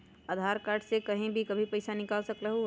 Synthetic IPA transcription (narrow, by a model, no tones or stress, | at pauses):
aːd̪ʱaːɾkaːɾɖsekɐɦĩbʱikɐbʱipɐɪsanɪkaːlsɐkɾəɦu